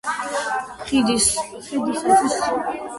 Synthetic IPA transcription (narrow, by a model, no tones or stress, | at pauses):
χid̪is | χid̪issis